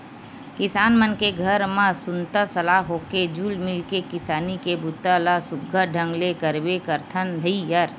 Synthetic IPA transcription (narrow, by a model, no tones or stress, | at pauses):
kɪsaːnmənkeɡʱəɾmə̃sʊnt̪əsəlaːɦoːked͡ʒuːlmɪlkekɪsaːnikebʊt̪ːəlasʊɡʱːəɖʱə̃ŋɡlekəɾbekəɾt̪ʰənd̪ʱəijəɾ